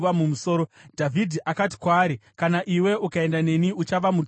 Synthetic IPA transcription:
ʋamumuso̞ːɾodʱavʱidʱiʔakat̬i̥kwaːɾikanaʔiwe̞ukae̞ndane̞niut͡ʃaʋamu

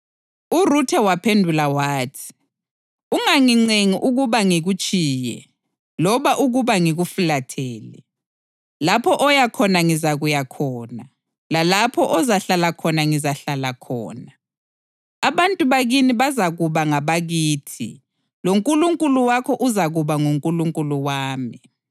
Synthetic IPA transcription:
urutʰɛwapʰendʱulawaːtʰi̥ | uŋaŋiŋ͡ǀeŋiʔuɣuβaŋiɣut͡ʃʼiːjɛ̰ | lɔβaʔuɣuβaŋiɣufulatʰɛːlɛ̰ | lapʰɔʔɔjakʰɔnaŋizaɣujakʰɔːna | lalapʰɔʔɔzaɬalakʰɔnaŋizaɬalakʰɔ̰ːna | aβantʼuβaɣiniβazaɣuβaŋaβaɣiːtʰḭ | loŋkʼuluŋkʼuluwakʰɔʔuzaɣuβaŋuŋkʼuluŋkʼuluwaːmi

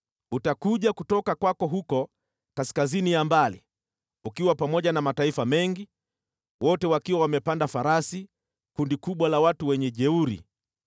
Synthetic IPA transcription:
utakuʄakutɔkakwakɔɦukɔ | kaskazinijambalḭ | ukiwapamɔʄanamataifamɛŋɡi | wɔtɛwakiwawamɛpandafaɾasi | kundikuɓwalawatuwɛɲɛʄɛuɾḭ

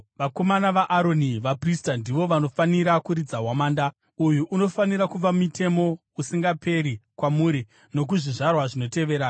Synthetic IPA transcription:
ʋako̞manaʋaʔːɾo̞niʋapristandiʋo̞ʋano̞faniɾakuɾid͡zaɦwamaːnda | ujuʔːno̞faniɾakuʋamitʰe̞mo̞ | usiŋɡape̞ɾikwamuːɾi | no̞k̬uʐiʐarwaʐino̞te̞ʋe̞ːɾa

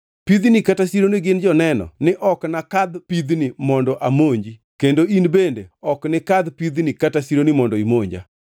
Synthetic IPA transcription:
pid̪nikatasiɾonɪɡɪnd͡ʒɔnɛnɔ̰nɪʔɔknakad̪pid̪nɪmɔndɔʔamoɲd͡ʒi | kendoinbendeɔknɪkad̪pid̪nɪkatasiɾonɪmɔndɔimoɲd͡ʒa̰

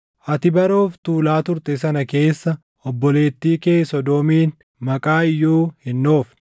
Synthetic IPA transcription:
ʔɐt̪ɪbɐɾo̞ːft̪uːlaːt̪ʊɾt̪ʼɛs̬ɐnɐke̞ːsːɐ | ɔbːɔle̞ːt̪ːiːkeːsɔd̪oːmiːn | mɐkʼaːɪjːuːhɪnːo̞ːf

